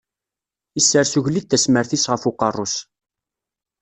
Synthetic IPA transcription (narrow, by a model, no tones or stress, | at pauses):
isːəɾsuʝlid̪̚θæsməɾθisʁəfuqɑrˤːʊs